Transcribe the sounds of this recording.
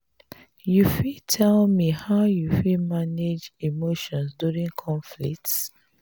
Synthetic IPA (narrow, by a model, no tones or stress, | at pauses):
jufitʰɛlmihaʊjufimaned͡ʒimoʃɔ̃nsduɹĩŋkʰɔ̃ɱflḭk̚ts